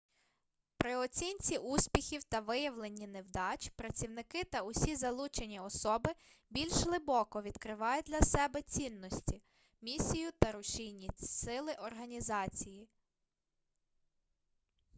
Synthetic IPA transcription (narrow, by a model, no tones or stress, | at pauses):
pɾɪɔt͡sʲinʲt͡sʲiʔusʲpʲixʲiwt̪ɐʋɪjɐwlˠenʲːinewd̪ɑt͡ʃpɾɐt͡sʲiwnɪkɪt̪ɐʊsʲizɐlˠut͡ʃenʲiɔsɔbɪ | bʲilʲʃlˠɪbɔkɔʋʲid̪kɾɪʋɑjʊd̪lʲɐsɛbɛt͡sʲinːɔsʲtʲi | mʲisʲijʊt̪ɐɾʊʃijnʲisɪlˠɪʔɔrɦɐnʲizɑt͡sʲiji